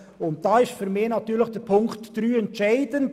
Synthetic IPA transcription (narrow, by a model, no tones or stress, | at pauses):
ʊnt̚d̥ɑːɪʃtfyɾmɪnɑtyːləxd̥ɛɾpʰʊŋktːɾyːɛntt͡ʃaɪd̥ən